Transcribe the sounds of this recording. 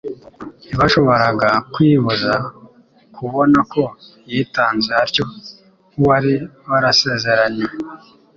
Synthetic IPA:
iβaʃo̞βo̞ɾaɡakwiːβuza | kʰuβo̞nako̞ | jiːtaːnzehaɾco̞ | uwaɾiβaɾase̞ːze̞ɾaɲe

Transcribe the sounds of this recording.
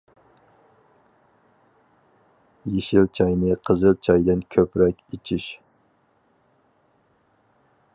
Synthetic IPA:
jeʃilt͡ʃʰɑjnɨqʰəzɨlˠt͡ʃʰɑjd̪ɨnkʲʰøpɾɛkʲit͡ʃʰiʃ

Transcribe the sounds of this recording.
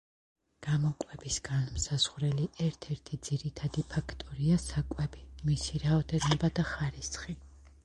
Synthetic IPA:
ɡ̥amɔkʼwɛbisɡanmsaz̥ʁɾɛliʔɛɾt̪ʰɛɾt̪ʰid̪ziɾit̪ʰad̪ipʰakʰt̪ʼɔɾiasakʼwɛbimisiɾaɔt̪ʰɛɾnɛbad̪aχaɾisχi

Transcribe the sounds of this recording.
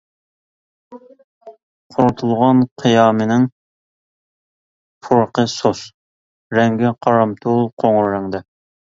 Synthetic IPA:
qʰoɾt̪ʰulˠʁɑnqʰijɑːmɨnɪŋ | pʰuɾqʰəsos | ɾɛŋɡʲɪqʰɑɾɑmt̪ʰolˠqʰoŋɾɾːɛŋd̪ɛ

